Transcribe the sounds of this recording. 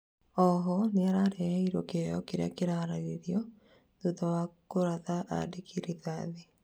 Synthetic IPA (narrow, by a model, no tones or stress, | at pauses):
ɔɦɔneaɾaɾehiɾokejɔkeɾakeɾaɾaɾeɾjɔ | ðot̪awakoɾaðaʔa̰dekʰiɾiðaðe